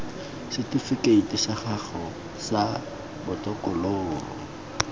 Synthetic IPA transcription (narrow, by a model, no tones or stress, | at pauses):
sɪtʼifɪkʼeitʼisaχaχɔ | sa | bʊtʼɔkʼɔloːrɔ̰